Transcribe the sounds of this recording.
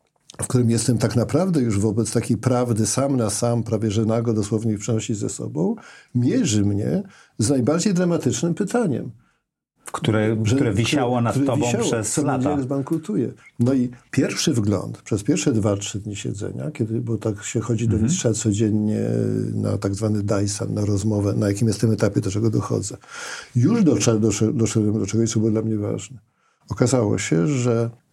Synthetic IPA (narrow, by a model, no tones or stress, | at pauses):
fk̚t̪uɾɘmjɛst̪ɛmt̪aknapɾavd̪ɛjuʐvɔbɛt̪st̪akʲejpɾavd̪ɘsamnasampɾavʲjɛʐɛnaɡɔd̪ɔswɔvɲepʂɛnɔɕizɛ̰sɔ̰bɔ̃w̃mʲjɛʐɘmɲɛ̰ | znajbaɾd͡ʑejd̪ɾamat̪ɘt͡ʂnɘmpɘt̪aɲɛ̰m | fkt̪uɾɛʐɛuɾɛvʲiɕawɔnat̪uɾɛɔviawɔɛsɔlaɡzbaŋkɾut̪ujɛnɔipʲjɛɾfʂɘvɡlɔ̰nt̪pʂɛspʲjɛɾfʂɛd̪vatʂɘd̪ɲiɕɛ̰d̪zɛ̰ɲa̰kʲɛd̪ɘbɔt̪akɕɛxɔd͡ʑid̪ɔmʲistʂat̪sɔd͡ʑeɲːɛ̰na̰t̪aɡzvanɘd̪ajsa̰nːaɾɔzmɔvɛnajakʲimjɛst̪ːɨmɛt̪apʲjɛd̪ɔt͡ʂɛɡɔd̪ɔxɔ̰d̪zɛjuʐd̪ɔɛd̪ɔɛd̪ɔɛɡd̪ɔt͡ʂɛɡɔjsɔbwd̪lamɲɛva̰ʐnɛ | ɔkazawɔ̰ɕɛʐɛ